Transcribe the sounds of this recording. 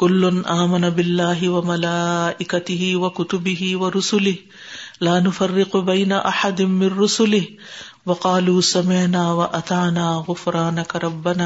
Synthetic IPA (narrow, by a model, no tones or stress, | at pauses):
kʊlːʊnʔaːmanabɪlːaːɦɪwamalaːʔɪkat̪ɪɦɪwakʊt̪ʊbɪɦɪwɐɾʊsʊlɪh | laːnʊfarːɪqbajnaʔaħad̪ɪnmɪnːʊsʊlɪh | wɑqɑːluːsamɪʕnaːwaʔat̪aʕnaːɣʊfɾˤɑːnakaɾˤɑbːanaː